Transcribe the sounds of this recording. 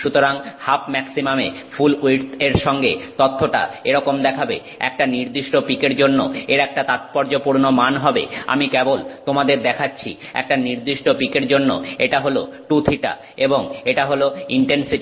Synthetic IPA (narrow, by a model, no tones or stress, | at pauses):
ʃut̪oɾaŋhapmɛksimamefuliʈ̪eɾʃɔŋɡet̪ot̪ʰːoʈa̰eɾɔkomd̪ɛkʰabḛ | ɛ̰k̚ʈaniɾd̪iʃʈopikeɾd͡ʑonːo̰eɾɛk̚ʈat̪at̪̚pɔɾd͡ʑopuɾnomanɦɔbḛa̰mikɛbolt̪omad̪eɾd̪ɛkʰatːɕʰḭ | ɛ̰k̚ʈaniɾd̪iʃʈopikeɾd͡ʑonːo̰eʈaɦoloʈut̪ʰiʈa̰ | eboŋeʈaɦoloiɳʈensiʈi